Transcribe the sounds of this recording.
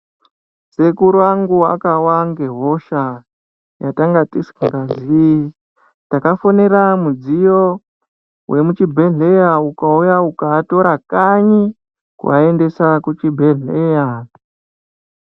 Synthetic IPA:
se̞kuɾwaŋɡua̰kawaŋɡe̞ɦo̞ʃa | jataŋɡatisŋɡazi | takafoneɾamud͡zijo | wʔe̞mut͡ʃibʱe̞ɮe̞jaukaujaukaːto̞ɾakaɲi | kṵa̰e̞nde̞sakut͡ʃibʱeɮeja

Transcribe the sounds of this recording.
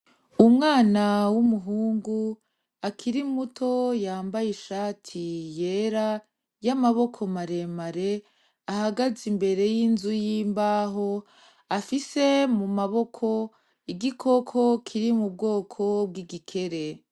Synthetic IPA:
umŋaːnawumuɦuːŋɡu | akʰiɾimutʰo̞jaːmbajeʃaːtʰije̞ːɾa | jamaβo̞kʰo̞maɾe̞maɾe̞ | ahaɡazimbe̞ɾe̞jinzujiːmbaːɦo̞ | afise̞mumaβo̞kʰo̞ | iɡikʰo̞kʰo̞kʰiɾimub̚ɡo̞ːkʰo̞b̚ɡiɡikʰe̞ɾe̞

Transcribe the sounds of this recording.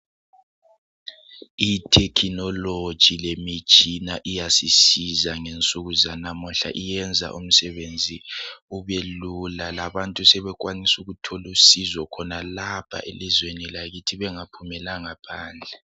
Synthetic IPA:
itʰɛkʰinɔlo̥ʒ̥ʱilemit͡ʃʼinaʔijasisizaŋent͡sʼuɣuzanamuɬa̰ʔijɛnd͡zʱa̰ʔṵm̩sɛβend͡zʱiuβelulalaβantʼusɛβɛk̬wanisuɣutʰolusizwɔkʰɔnalapʰa̰ʔelizwenilaɣitʰiβɛŋapʰumɛlaŋapʰaːnd͡ɮʱɛ

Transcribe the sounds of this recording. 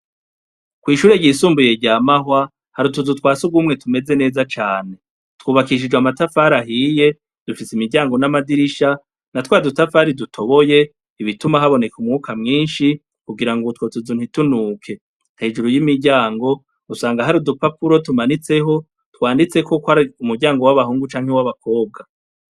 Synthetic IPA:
kwiːʃuːɾe̞ɟisuːmbuje̞ɟaːmahwa | haɾutuzutwaːsuɡumŋe̞tʰume̞ze̞ne̞ːzat͡ʃaːne̞ | twuːβakiʃ̬id͡ʒɡamatafaɾaɦiːje̞ | d̥ufisimiɾɟaːŋɡo̞namadiɾiʃa | natwaːdutafaɾidutʰoβo̞je̞ | iβitumaɦaβo̞ne̞kumŋuːkamŋiːnʃi | kuɡiɾaŋɡutwo̞tuzun̥hitunuːkʰe̞ | n̥he̞ːd͡ʒuɾujimiɾɟaːŋɡo̞ | usaːŋɡaɦaɾudupapuɾo̞tumanit͡se̞ɦo̞ | twaːndit͡seko̞kwaɾiumuɾɟaːŋɡo̞waβaɦuːŋɡut͡ʃaːŋhewaβakʰo̞ːb̚ɡa

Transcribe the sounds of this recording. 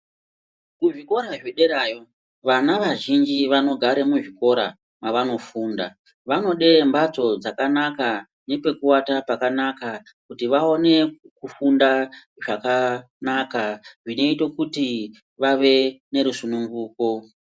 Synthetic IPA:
kuʐiko̞ɾaʐeɗe̞ɾaːjo̞ | ʋanaʋaʒind͡ʒiʋano̞ɡʱaɾe̞muʐiko̞ɾa̰ | maʋano̞fuːnda̰ | ʋano̞ɗe̞mbat͡so̞d͡zakanaka | ne̞pe̞kuwatapakanaka | kutiʋao̞ne̞ | kufunda | ʐaka | nakaʐino̞itokuti | ʋaʋe̞ne̞ɾusunuŋɡuːko̞

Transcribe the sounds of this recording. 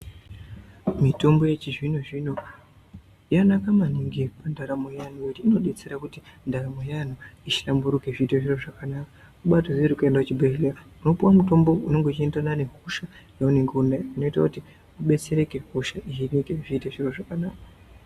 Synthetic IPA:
mito̞mbo̞je̞t͡ʃiʐinuʐino | ijanakamaniŋɡipandaɾamojanukutiino̞ɗe̞t͡se̞ɾakutindaɾamojanuit͡ʃi̥lambuɾukeʐiːteʐiro̞ʐakanakḁ | kuɓatozɾikuendakut͡ʃibeeleauno̞puwamuto̞mbo̞uno̞ŋɡo̞t͡ʃiendanane̞ɦuʃajauneŋɡunaino̞ita̰kuti | uɓe̞t͡se̞ɾe̞keɦuʃait͡ʃinikeʐiːteʐiro̞ʐakanaːka

